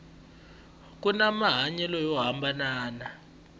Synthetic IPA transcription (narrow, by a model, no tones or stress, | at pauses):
k̬ʼunamaɦaɲɛlɔjɔɦambʱanaːna